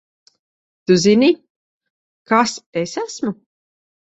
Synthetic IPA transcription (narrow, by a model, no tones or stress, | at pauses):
t̪uzini | kasesæsmu